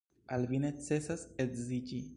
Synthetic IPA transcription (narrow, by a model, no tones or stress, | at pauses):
alvine̞t͡se̞sasekzid͡ʒi